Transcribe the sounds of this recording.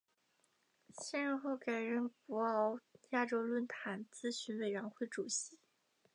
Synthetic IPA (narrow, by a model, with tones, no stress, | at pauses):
ɕɛ˥˧nɻə˥˧xo˥˩ʊka˨˩ɪɻə˧˥˩npu˧˥ɑ˧˥ʊja˥˩ʈ͡ʂo˥ʊlwə˥˩nt̪ʰa˨˩nt͡sɹ̩˥˧ɕy˧˥nwe˨˩ɪɻɛ˧˥nxwe˥˩ɪʈ͡ʂu˨˩ɕi˧˥